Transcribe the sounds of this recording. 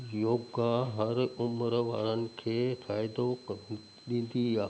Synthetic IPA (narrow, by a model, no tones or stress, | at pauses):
joːɡaɦɐɾʊmɾʋa̰ːɾənɪ̆kʰeːfʰaːɪd̪ok | ɗĩːnd̪iaː